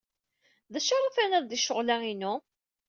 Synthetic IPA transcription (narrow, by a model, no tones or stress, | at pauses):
ðæʃaɾˤafænæðd̪iʃːəʁlæinu